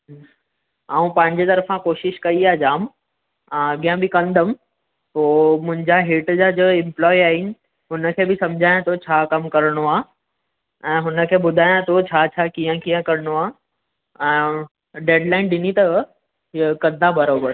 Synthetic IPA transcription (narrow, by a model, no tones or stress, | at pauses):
ãːũpɐ̃ɦɪ̃ɲd͡ʑet̪ɐɾəfãkoːʃɪʃkɐiaːd͡ʑaːmː | ɡijə̃bɪkɐ̃nd̪ʱəm | ɦoːmʊ̃ɦɪ̃ɲd͡ʑaɦeːʈd͡ʑad͡ʑoɪ̃mplɔːiaːɦɪnɪ̆ | ɦʊnə̆kʰeːbɪsɐ̃md͡ʑʱaːjãt̪ʰot͡ɕʰaːkɐmkɐɾɽ̃oaː | ɛ̃ːɦʊnə̆kʰeːbʊd̪ʱaːjãt̪ʰot͡ɕʰaːt͡ɕʰaːkijə̃kijə̃kɐɾɽ̃oaː | ɛ̃ː | ɖeːɖlaːɪnɗɪnit̪ɐ | kɐ̃nd̪abɐɾoːbəɾ